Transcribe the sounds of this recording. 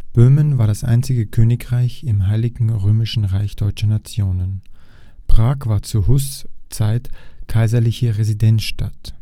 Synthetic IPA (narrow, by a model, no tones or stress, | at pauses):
b̥øːmənvaːɐɾasʔa̰ɪnt͡sɪɡəkʰøːnɪkʁaɪçɪmɦaɪlɪɡŋ̩ʁøːmɪʃn̩ʁaɪçd̥ɔʏt͡ʃɐnat͡sjoːnən | pʁ̥aːkv̥aːɐt͡suːɐhʊst͡saɪtkʰaɪzɐlɪçəʁɛzidɛnsʃtat